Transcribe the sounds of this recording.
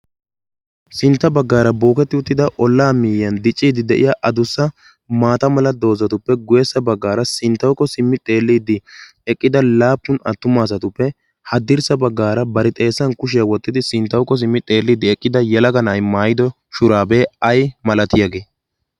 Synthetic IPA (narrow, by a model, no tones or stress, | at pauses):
sɪnt̪ːɐbɐɡːaːɾɐbo̞ːkɛt̪ːɪʊt̪ːɪd̪ɐʔɔlːaːmiːjɐnd̪ɪt͡ʃʼːiːd̪ɪd̪ɛʔɪ̰jaʔɐd̪ʊsːɐ | maːt̪ɐmɐlɐd̪o̞ːzɐt̪ʊpːɛɡʊjɛsːɐbɐɡːaːɾɐsɪnt̪ːɐwkːɔsɪmːɪt̪ʼe̞ːlːiːd̪ɪ | ɛkʼːɪd̪ɐlaːpːʊnɐ̰t̪ːʊmaːs̬ɐt̪ʊpːɛ | hɐd̪ɪɾsɐbɐɡːaːɾɐbɐɾɪt̪ʼe̞ːsːɐnkʊʃ̬ɪjɐwɔt̪ːɪd̪ɪsɪnt̪ːɐwkːɔs̬ɪmːɪt̪ʼe̞ːlːiːd̪ɪɛkʼːɪd̪ɐjɛlɐɡɐnɐjmaːjɪd̪ɔ | ʃʊɾaːbe̞ːɐjmɐlɐt̪ɪjɐɡe̞ː